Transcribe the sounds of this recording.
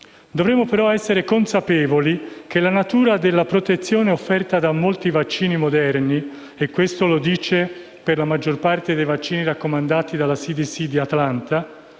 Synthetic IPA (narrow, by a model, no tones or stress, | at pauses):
d̪ovɾemːopeɾɔɛsːeɾekonsapɛːvolik̟elanat̪uːɾad̪elːapɾot̪et̪sːjoːneofːɛrt̪ad̪amolt̪ivat͡ʃːiːnimod̪ɛrni | ekːwest̪olod̪iːt͡ʃe | perlamad͡ʒːorpart̪ed̪ejvat͡ʃːiːniɾakːomand̪aːt̪id̪alːasid̪isid̪iat̪lant̪a